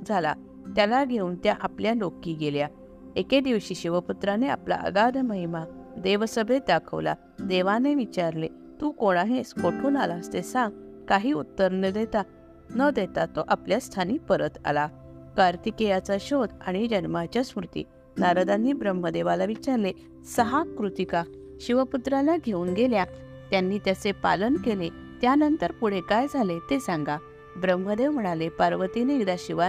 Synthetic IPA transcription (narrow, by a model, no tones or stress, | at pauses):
d͡zʱala̰ | t̪jalaɡʱeuːnt̪jaʔapljanokːiːɡelja | eked̪iʋɕiːɕiʋəput̪ɾanea̰pla̰ʔə̰ɡad̪ʱməɦimad̪eʋsəbʱed̪akʰə̰ʋla̰ | d̪eʋaneʋit͡ɕaɾle | t̪uːkoɽ̃aɦẽskoʈʰuːnalast̪esãŋɡkaɦiːut̪ːəɾnəd̪et̪a | nəd̪et̪at̪ːoʔapljast̪ʰaniːpəɾət̪a̰la | kaɾt̪ikejat͡saɕod̪a̰ɽ̃id͡ʑənmat͡ɕjasmɾut̪ḭː | naɾəd̪anːiːbɾəmːəd̪eʋalaʋit͡ɕaɾle | səɦakɾut̪ika | ɕiʋəput̪ɾalaɡʱeuːnɡelja | t̪janːiːt̪jasepa̰lənkele | t̪janənt̪əɾpuɽ̤ekajd͡zʱalet̪esãŋɡa | bɾəmːəd̪eʋm̤əɽ̃alepaɾʋət̪inekd̪aɕiʋa